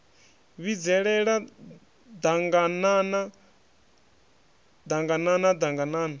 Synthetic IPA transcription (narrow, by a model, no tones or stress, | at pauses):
βid͡zɛɺɛɺa | d̪aŋɡanana | d̪aŋɡananad̪aŋɡanaːna